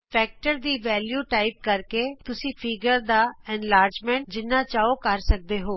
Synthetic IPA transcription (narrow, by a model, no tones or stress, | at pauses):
pʰɛːk̚ʈəɾd̪iːʋɛːljuːʈaːip̚kəɾkeːt̪ʊsĩːpʰɪɡəɾd̪aːɛnlaːɾd͡ʒmẽːɳʈ̚d͡ʒɪnːãːt͡ʃaːoːkəɾsək̚d̪eːɦoː